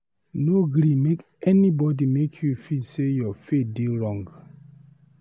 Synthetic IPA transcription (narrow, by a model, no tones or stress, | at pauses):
noɡɾimek | ɛnibɔdimekʰjufisejɔfet̚deɹɔ̃ŋɡ